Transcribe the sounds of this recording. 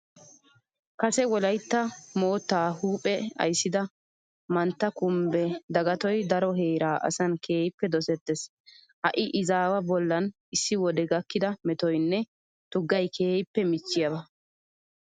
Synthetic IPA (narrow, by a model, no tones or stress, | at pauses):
kɐsɛwɔlɐjt̪ːɐmo̞ːt̪ːaːhuːpʼɛɐ̰jsːɪd̪ɐ | mɐnt̪ːɐkʊmbɛd̪ɐɡɐt̪ɔjd̪ɐɾɔɦeːɾaːʔɐ̰sɐnkʰe̞ːjɪpːɛd̪ɔsɛt̪ːɛs | hɐ̰ʔɪʔɪzaːwɐbɔlːɐn | ɪsːɪwɔd̪ɛɡɐkːɪd̪ɐmɛt̪ɔjnːɛ | t̪ʊɡːɐjkʰeːjɪpːɛmɪt͡ʃːɪjɐbɐ